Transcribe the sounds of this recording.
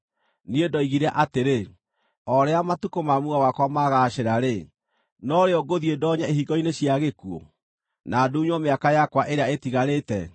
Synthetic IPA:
niedɔiɣiɾɛʔateɾe | ɔɾɛamatukomamuɣawakwamaɣaːʃeɾaɾe | nɔɾeɔɡoðiedɔɲaeɦiɡɔineɕjaɣekuo̰ | naːduːɲwɔmeakajakwaʔeɾeaetiɣaɾetɛ

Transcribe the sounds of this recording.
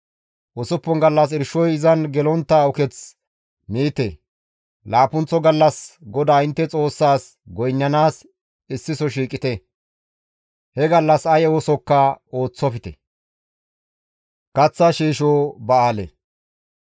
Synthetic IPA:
ʔɔsɔpːɔŋɡɐlːɐs̬ɪɾʃɔjɪzɐnɡɛlɔnt̪ːɐʊkɛt͡s | miːt̪e | laːpʊnt͡sːɔɡɐlːɐsɡɔd̪aːɪnt̪ːɛt͡sʼo̞ːsːaːs | ɡɔjnːɐnaːs | ɪsːɪsɔʃ̬iːkʼɪt̪ɛ | hɛɡɐlːɐsɐjɛwɔsɔkːɐo̞ːt͡sːɔfɪt̪ɛ̰ | kɐt͡sːɐʃiːʃoːbɐaːlḛ

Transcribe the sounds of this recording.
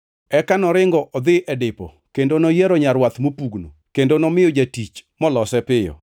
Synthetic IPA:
ɛkanɔɾɪŋɡɔʔɔd̪ɪʔɛdɪpɔ̰ | kendonɔjeɾɔɲaɾwat̪mopuɡno̰kendonɔmɪjɔd͡ʒatit͡ʃmɔlɔsɛpɪjɔ̰

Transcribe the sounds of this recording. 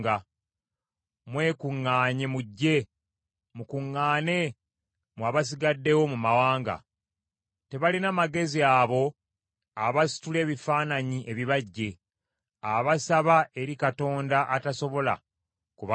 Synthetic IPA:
ɡa | mwe̞ːkuŋːaːɲemuɟːe̞ | mukuŋːaːne̞ | mwaːβas̬iɡadːe̞wo̞mumawaːŋɡa̰ | te̞βalinamaɡe̞ziaβo̞ | aβasi̥tule̞ːβifaːnaɲiʔe̞βiβaɟːe̞ | aβasaβaʔe̞ɾikato̞ːndaʔataso̞βo̞la̰ | kuβa

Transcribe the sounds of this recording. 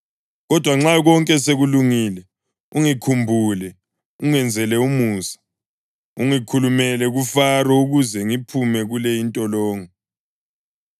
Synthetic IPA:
ɣɔd̥ʱwaŋ͡ǁaɣɔŋkʼɛseɣuluŋilɛ | uŋikʰumbʱuːlɛ | uŋɛnd͡zʱɛlɛumuːsḁ | uŋikʰulumɛlɛɣufarɔuɣuzɛŋipʰumɛɣulɛjintʼɔlɔːŋɔ

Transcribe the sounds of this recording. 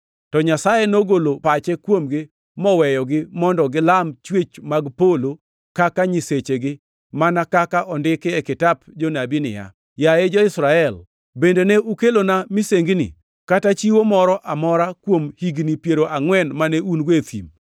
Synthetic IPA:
tɔɲasajenoɡolopat͡ʃɛkwomɡɪ | mɔwɛjɔɡɪmɔndɔɡɪlamt͡ʃwet͡ʃmaɡpolo | kakaɲiset͡ʃeɡɪ | manakakaʔɔndɪkɪɛkɪtapd͡ʒonabinɪ̰ja̰ | jaed͡ʒɔɪsɾaɛl | bendeneukelonamiseŋɡnḭ | katat͡ʃiwomɔɾɔʔamɔɾakwomhiɡnipjeɾoʔaŋwɛnmaneunɡwet̪ḭm

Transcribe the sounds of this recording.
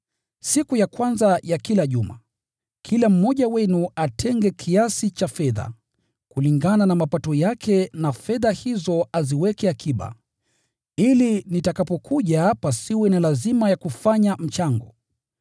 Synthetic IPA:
sikujakwanzajakilaʄuma̰ | kʰilam̩mɔʄawɛnuatʰɛŋɡɛkʰiasit͡ʃafɛða̰ | kuliŋɡananamapatɔjakʰɛnafɛðahizɔaziwɛkɛakʰiɓa̰ | ilinitakapɔkʰuʄapasiwɛnilazimajakufaɲam̩t͡ʃaŋɡɔ̰

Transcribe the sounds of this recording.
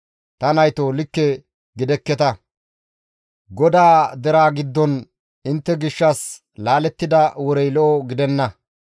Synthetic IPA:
t̪ɐnɐjt̪olɪkːɛ | ɡɪd̪ɛkːɛt̪ɐ | ɡɔd̪aːd̪ɛɾaːɡɪd̪ːɔn | ɪnt̪ːɛɡɪʃːɐs | laːlɛt̪ːɪd̪ɐwɔɾɛjlɔʔɔɡɪd̪ɛnːɐ

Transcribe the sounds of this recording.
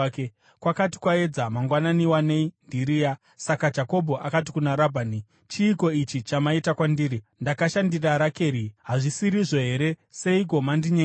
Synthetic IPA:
ke | kwakati̥kwae̞d͡zamaŋɡwananiwane̞indiɾija | sakad͡ʒako̞bʱo̞ʔakatikunaɾabʱani | t͡ʃiːko̞it͡ʃit͡ʃamaitakwandiːɾindakaʃandiraɾake̞ɾiɦaʐisiɾiʐo̞ɦe̞ɾe̞se̞iɡʱo̞mandiɲe

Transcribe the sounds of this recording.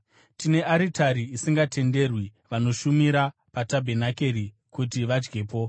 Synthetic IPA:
tine̞aɾitʰaɾiːsiŋɡate̞nde̞rwiʋano̞ʃumiɾapatabʱe̞nake̞ɾi | kutiʋad͡ʒɡe̞ːpo̞

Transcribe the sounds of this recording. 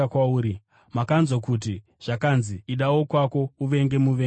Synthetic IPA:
kwauːɾi | makanzokut̬i | ʐ̥akanziiɗawo̞kwako̞uʋe̞ŋɡe̞muʋe

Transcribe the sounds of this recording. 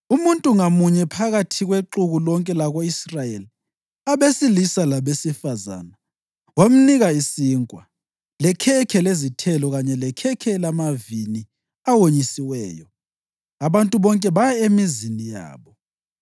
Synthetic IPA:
umuntʼuŋamuɲɛpʰaɣatʰiɣweǁuɣulɔŋkʼɛlaɣoisrajeli | aβesilisalaβesifaza̰ːna | wam̩niɣaisiːŋkʼwa | lɛkʰɛkʰɛlezitʰɛlɔɣaɲɛlɛkʰɛkʰɛlamavini | awoɲisiwɛːjɔ | aβantʼuβɔŋkʼɛβajɛemizinija̰ːβɔ

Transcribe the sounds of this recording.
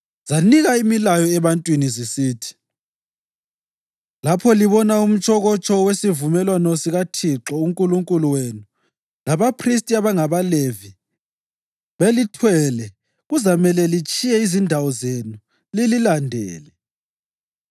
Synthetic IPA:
z̥aniɣaimilajɔɛβantʼwinizisiːtʰi̥ | lapʰɔliβɔnaum̩t͡ʃʼʰɔɣɔt͡ʃʼɔwesivumɛlwanɔsiɣatʰiǁɔuŋkʼuluŋkʼuluwenu | laβapʰris̬tʼiaβaŋaβalevi | βelitʰwɛlɛ | ɣuzamɛlɛlit͡ʃʼijɛizindʱawɔzenu | lililandʱɛ̰ːlɛ

